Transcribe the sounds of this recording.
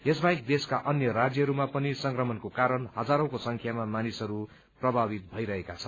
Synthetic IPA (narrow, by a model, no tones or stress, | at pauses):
esbaik̚d̪eskaʔʌnjʌɾad͡zjʌɦʌɾumapʌnisʌŋkrʌmʌnkokaɾʌnɦʌd͡zaɾʌ̃kosʌŋkʰjamamanisʌɾu | prʌbʱabit̪̚bʱʌiɾʌɦekat͡sʰʌ